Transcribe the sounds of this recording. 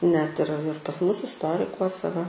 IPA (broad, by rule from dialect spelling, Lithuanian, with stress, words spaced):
nʲɛt ɪr ɪr pɐs ˈmʊs ɪsˈtoːrʲɪkuɔsʲɛ ʋɐ